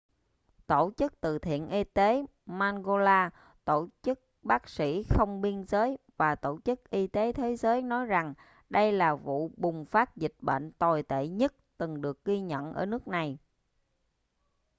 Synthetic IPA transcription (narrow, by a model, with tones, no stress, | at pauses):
t̪o˧˩t͡ɕɨ˦˥k̚t̪ɨ̰˧˨˩t̪ʰḭ˧˨ənʔi˧t̪e˨˦ | maː˧nɣo˧laː˧ | t̪o˧˩t͡ɕɨ˦˥k̚ɓaː˦˥k̚sḭ˧˥xə˧wŋ͡mɓi˧ənzəː˨˦jvaː˨˩t̪o˧˩t͡ɕɨ˦˥k̚ʔi˧t̪e˨˦t̪ʰe˨˦zəː˨˦jnɔ˨˦jza˨˩ŋ | ɗə˧jlaː˨˩vṵ˧˨ɓʊ˨˩ŋ͡mfaː˦˥t̚zï˨˩k̟̚ɓḛ˧˨nt̪ɔ˨˩jt̪ḛ˧˨ɲə˦˥t̚t̪ɨ˨˩ŋɗɨ˨˩ək̚ɣi˧ɲə̰˧˨nʔəː˧˩nɨ˦˥ək̚na˨˩j